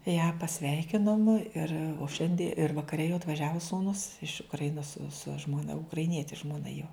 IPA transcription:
jæː pɐˈsʲʋʲɛɪkʲɪnoːm ɪr oː ˈʃʲɛnʲdʲɪ ɪr ʋɐkɐˈrʲɛ jɛʊ ɐtʋɐˈʒʲæːʋoː suːˈnʊs ɪʃ ʊkrɐˈɪnoːs sʊ ʒmoːˈnɐ ʊkrɐɪˈnʲiɛtʲɪ ʒmoːˈnɐ joː

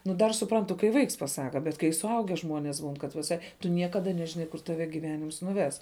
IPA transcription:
nʊ ˈdɐr sʊˈprɐntʊ kɐɪ ˈʋɐɪks pɐˈsɑːkɐ bʲɛt kɐɪ sʊˈɐʊɡʲɛ ˈʒmoːnʲeːs buːn kɐt ʋʲɪˈsɐɪ tʊ ˈnʲiɛkɐdɐ nʲɛʒʲɪˈnɐɪ kʊr tɐˈʋʲɛ ɡʲiːˈʋʲæːnʲɪms nʊˈʋʲɛs

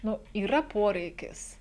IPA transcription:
ˈnʊ iːˈrɐ ˈpoːrʲɛɪkʲɪs

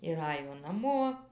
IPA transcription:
ɪr ˈɑːjoː nɐˈmoː

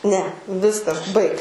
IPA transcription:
nʲɛ ˈʋʲɪskɐs ˈbɐɪk

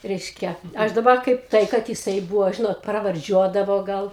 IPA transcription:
ˈrʲɛɪʃʲkʲɛ ˈɐʃ dɐˈbɐ ˈkɐɪp ˈtɐɪ kɐt jɪˈsɐɪ ˈbʊʋoː ˈʒʲɪnoːt prɐʋɐrʲˈd͡ʒʲuɔdɐʋoː ˈɡɐlˠ

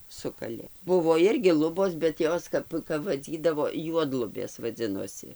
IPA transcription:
ˈsʊkɐlʲeː ˈbʊʋoː ˈɪrʲɡʲɪ ˈlˠʊboːs bʲɛt ˈjoːs kɐp kɐp ʋɐˈd͡zʲiːdɐʋoː ˈjuɔdlˠʊbʲeːs ʋɐˈd͡zʲɪnoːsʲɪ

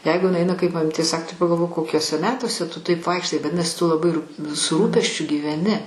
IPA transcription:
ˈjɛɪɡʊ ɪˈnɐɪ ˈɐɪnɐ kɐɪp mɐˈmʲiːtʲeː ˈsɐk tɐɪ pɐɡɐlˠˈʋoːk koːˈkʲuɔsʲɛ ˈmʲæːtuɔsʲɛ ˈtʊ ˈtɐɪp ˈʋɐɪkʃtɐɪ ʋɐˈdʲɪnɐsʲɪ tʊ lˠɐˈbɐɪ ruːpʲ sʊ ˈruːpʲɛsʲt͡ʃʲʊ ɡʲiːʋʲɛˈnʲɪ

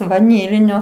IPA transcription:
ʋɐˈnʲiːlʲɪnʲoː

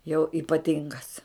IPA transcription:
jɛʊ ɪpɐˈtʲɪŋɡɐs

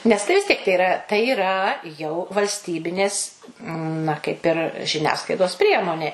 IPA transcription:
nʲɛs ˈtɐɪ ʋʲɪs ˈtʲiɛk tɐɪ ɪˈrɐ tɐɪ iːˈrɐ jɛʊ ʋɐlʲsʲˈtʲiːbʲɪnʲeːs nɐ kɐɪp ɪr ʒʲɪˈnʲæːsklˠɐɪdoːs ˈpʲrʲiɛmoːnʲeː

